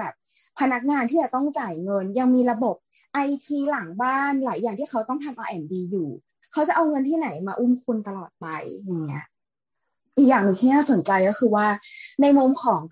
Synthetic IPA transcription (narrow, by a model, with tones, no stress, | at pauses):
bɛː˨˩p̚ | pʰa˧na˦˥k̚ŋaː˧nt̪ʰiː˥˩t͡ɕa˨˩t̪ɔ˥˩ŋt͡ɕaː˨˩jŋɤ˧nja˧ŋmiː˧ɾa˧bo˨˩p̚ | ʔa˧jt̪ʰiː˧la˩˦ŋbaː˥˩nlaː˩˦jːaː˨˩ŋt̪iː˥˩kʰa˦˥wt̪ɔ˥˩ŋt̪ʰa˧mʔaː˧ʔɛ˧˩ndiː˧juː˨˩ | kʰa˦˥wt͡ɕa˨˩ʔa˧wŋɤ˧nt̪ʰiː˥˩na˩˦jmaː˧ʔu˥˩mkʰu˧nt̪a˧lɔː˨˩t̪̚pa˧jja˨˩ŋːi˦˥ɐʔ | ʔiː˨˩k̚jaː˨˩ŋnɯ˧˩ŋt̪ʰiː˥naː˥˩so˨˩˦nt͡ɕa˧jkɔː˥˩xʰɯː˧waː˥˩na˧jmu˧mkʰɔː˩˦ŋ